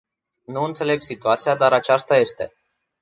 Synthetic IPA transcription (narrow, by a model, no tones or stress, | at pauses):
nuɨnt̪se̞le̞ɡsit̪uat̪sijad̪aɾat͡ʃast̪aje̞st̪e̞̰